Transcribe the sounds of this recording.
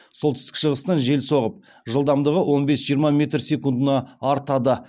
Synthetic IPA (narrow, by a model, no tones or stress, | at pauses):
solˠt̪ɪst̪ɪ̥kʃəʁəst̪ɑnʒe̞lso̞ʁəp̚ | ʒəlˠd̪ɑmd̪əʁəwʔo̞nbe̞sʒijəɾmɑmʲe̞t̪rsʲe̞kund̪ənɑɑɾt̪ɑd̪ə